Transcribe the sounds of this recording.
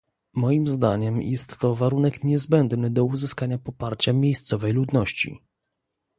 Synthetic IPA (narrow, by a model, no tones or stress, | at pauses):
mɔjimzd̪aɲɛmjʔɛst̪ːɔvaɾunɛkɲɛzbɛnd̪nɘd̪ɔuzɘskaɲapɔpaɾt͡ɕamʲjejst̪sɔvɛjlud̪nɔɕt͡ɕḭ